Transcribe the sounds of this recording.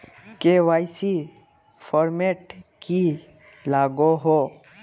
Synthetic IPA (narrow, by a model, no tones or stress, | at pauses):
keʋaːɪsi | pʰɔːɾmeːʈki | laːɡoɦo